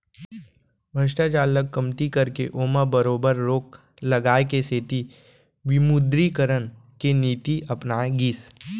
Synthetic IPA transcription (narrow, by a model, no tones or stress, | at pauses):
bʱəʃʈat͡ʃaːləkːɐmt̪ikɐɾkḛʔoːmabəɾoːbəɾːoːk | lɐɡaːekeseːt̪i | ʋɪmud̪ɾikəɾənkeniːt̪iʔɐpnaːeɡiːs